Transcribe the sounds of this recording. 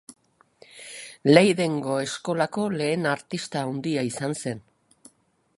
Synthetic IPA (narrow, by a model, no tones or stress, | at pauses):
le̞jðe̞ŋɡo̞e̞sko̞lako̞le̞ːnaɾt̪ist̪aːwnd̪iaisanse̞n